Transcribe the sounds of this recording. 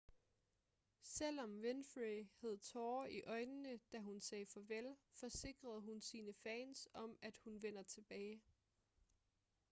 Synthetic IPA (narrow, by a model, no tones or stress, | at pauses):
sel̰ɒ̽mʋenfʁihæð̞ˠt͡sʰɒːiʔɒ̽ɪnənəd̥æɦunsɛːfɒ̽ʋelfɒ̽se̝ɡ̥ʁɐð̞ˠɦunsiːnəfɛːnsɒ̽mæd̥hunʋen̰ɐt͡sʰe̝b̥ɛːɪ